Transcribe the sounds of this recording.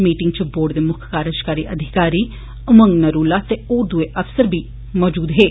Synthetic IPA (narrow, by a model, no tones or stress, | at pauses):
miːʈɪŋɡt͡ʃboːɖd̪eːmʊkʰkaːɾəd͡ʒkaːɾiːʔəd̪ʱɪkaːɾiː | ʊməŋɡnəɾuːlaːt̪eoːd̪ʊeʔəfsəɾbʱiː | mɔːd͡ʒuːd̪ɦeː